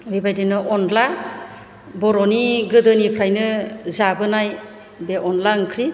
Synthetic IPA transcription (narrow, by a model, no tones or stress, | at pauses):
bibajdenɯʔɔnla | bɔɾɔniɡɯdɯnipʰɾajnɯzabɯnaj | beʔɔnlankʰɾi